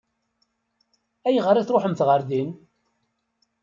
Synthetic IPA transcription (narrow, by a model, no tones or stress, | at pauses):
æjʁəɾˤiθɾˤoħəmθʁəɾðin